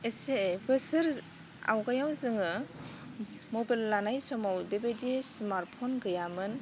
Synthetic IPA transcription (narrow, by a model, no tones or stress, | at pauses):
esebɯsɯɾ | a̰wɡajawzɯŋɯ | mɔbalːanajsɔmawdebedismaɾt̚pʰɔnɡɯjamɯn